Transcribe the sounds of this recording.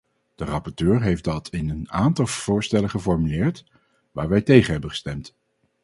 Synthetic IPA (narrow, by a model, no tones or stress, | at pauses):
d̥ərɑpɔɹtøːɹɦejfdɑtʰɪnənaːntɑlˠv̥ʊːɹstɛləχəfɔɹmylɪːɹt | ʋaːɹʋɛjtejχəɦɛbənχə̥stɛmt